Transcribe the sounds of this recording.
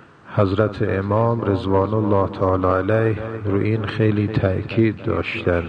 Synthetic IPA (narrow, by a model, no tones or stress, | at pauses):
hæzɾæt̪ʰeʔemɒːmɾezvɑːnolːɑːt̪ʰæɑːlɑælæjhɾuʔiːnxejliːt̪ʰæʔkʰiːd̪ːɒ̰ːʃt̪ænd̪